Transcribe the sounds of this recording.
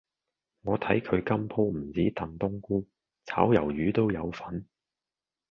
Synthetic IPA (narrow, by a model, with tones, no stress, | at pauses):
ŋɔː˨˧t̪ʰɐ˨˥jkʰɵ˨˧ɥkɐ˥mpʰo˥wm̩˨˩t͡siː˨˥t̪ɐ˨nt̪ʊ˥ŋkuː˥ | t͡sʰaː˨˥wjɐ˨˩wjyː˨˧t̪o˥wjɐ˨˧wfɐ˨˥n